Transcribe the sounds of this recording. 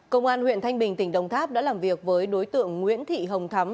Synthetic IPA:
kə˧wŋ͡mʔaː˧nhwḭ˧˨ənt̪a˧jŋ̟ɓï˨˩ŋ̟t̪ï˧˩ŋ̟ɗə̰˧˨˩wŋ͡mt̪ʰaː˦˥p̚ɗa̰ː˧˥laː˨˩mvi˨˩ək̚vəː˨˦jɗo˨˦jt̪ɨ̰˧˨əŋːwḭ˧˥ənt̪ʰḭ˧˨ɦə˨˩wŋ͡mt̪ʰa˨˦m

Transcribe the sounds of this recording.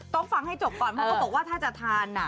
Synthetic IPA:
t̪o˥˩ŋfa˧ŋha˥˩jt͡ɕo˨˩p̚kɔː˨˩npʰɔ˦˥kʰːaː˥˩bɔː˨˩k̚waː˥˩t̪ʰaː˥˩t͡ɕa˨˩t̪ʰaː˧nːa˨˩˦

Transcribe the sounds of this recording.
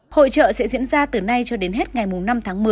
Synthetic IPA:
ho̰˧˨t͡ɕə̰ː˧˨sɛ̰˧˥zḭ˧˥ənzaː˧t̪ɨ˨˩na˧jt͡ɕɔ˧ɗe˨˦nɦe˦˥t̚ŋa˨˩jmʊ˨˩ŋ͡mna˧mt̪ʰaː˨˦ŋmɨ˨˩ə

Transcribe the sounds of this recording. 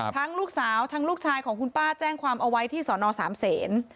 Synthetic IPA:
t̪ʰa˦˥ŋluː˥˩k̚saː˩˦wt̪ʰaː˦˥ŋluː˥˩k̚t͡ɕʰaː˧jkʰɔː˩˦ŋkʰu˧npaː˥˩t͡ɕɛː˥˩ŋkʰwaː˧mʔa˧wa˦˥jt̪ʰiː˥˩sɔː˩˦nɔː˧saː˩˦mseː˩˦n

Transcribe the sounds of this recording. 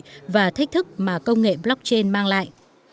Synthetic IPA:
vaː˨˩t̪ʰi˦˥k̚t̪ʰɨ˦˥k̚maː˨˩kə˧wŋ͡mŋḛ˧˨blɔ˦˥k̚t͡ɕe˧nmaː˧ŋla̰ː˧˨jʔ

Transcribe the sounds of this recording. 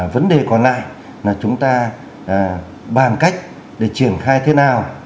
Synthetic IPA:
və˨˦nɗe˨˩kɔ˨˩nla̰ː˧˨j | laː˨˩t͡ɕʊ˨˦ŋ͡mt̪aː˧˨˩ | ɓaː˨˩nka˦˥jk̟̚ | ɗe˧˩t͡ɕi˧˩ənxaː˧jt̪ʰe˨˦naː˨˩w

